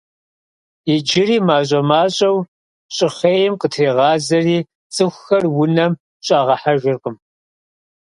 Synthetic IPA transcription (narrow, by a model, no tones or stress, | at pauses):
ɪd͡ʒɪriːmaːɕ̬ʷʼɐmaːɕʼɐw | ɕʼɪχeːjɪmqətʰeːʁɑːzɐriː | t͡sʼɨxʷxɐrwʊnɐm | ɕʼaːʁɐħaʒɪrqəm